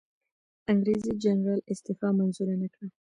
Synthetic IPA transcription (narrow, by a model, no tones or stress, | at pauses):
aŋɡɾezid͡ʒanɾalɪst̪ɪfɑmanzuɾanakɽa